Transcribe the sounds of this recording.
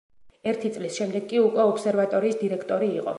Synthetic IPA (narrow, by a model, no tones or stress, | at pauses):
ɛɾt̪ʰit̪sʼlisʃɛmd̪ɛɡkʼiukʼwɛɔpʰsɛɾvat̪ʼɔɾiːsd̪iɾɛkʰt̪ʼɔɾiːqʼɔ̰